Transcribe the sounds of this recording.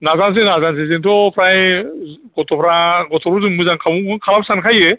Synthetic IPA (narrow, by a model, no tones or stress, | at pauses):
nazans̬enazans̬ezentʰɔpʰɾaj | ɡɔtʰɔpʰɾaɡɔtʰɔɾuzɯŋmujzaŋkʰamukʰɯnkʰalap̚sankʰaje